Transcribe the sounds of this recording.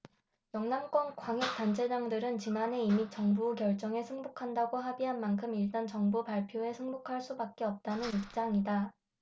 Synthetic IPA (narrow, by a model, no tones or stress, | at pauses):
jʌŋnamk͈wʌnkwaŋjek̚t͈ant͡ɕʰe̞d͡ʑaŋdɯɾɯnt͡ɕinanɦe̞imit͡ɕ͈ʌŋbukjʌɭt͡ɕ͈ʌŋe̞sʰɯŋbokʰandaɡoɦabiɦanmankʰɯmiɭt͈ant͡ɕʌŋbupaɭpʰjoe̞sʰɯŋbokʰaɭs͈ubak̚k͈e̞ʌp̚t͈anɯnip̚t͡ɕ͈aŋida